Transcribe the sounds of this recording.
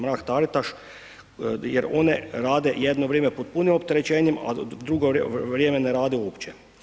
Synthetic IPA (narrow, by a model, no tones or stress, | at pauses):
mɾaːkt̪aɾit̪aʃ | jeɾo̞neɾaːd̪ejed̪noʋɾʲjeːmɛpod̪̚punimop̚t̪eɾet͡ɕeːɲima̰d̪ɾuɡoʋɾjeːmeneɾaːd̪ioːpt͡ɕe